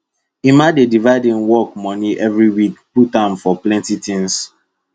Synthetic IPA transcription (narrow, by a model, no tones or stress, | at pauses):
imadedivaɪdĩŋwɔk̚mɔ̃niʔɛvɹiwikputãnfɔplɛ̃ntitĩŋs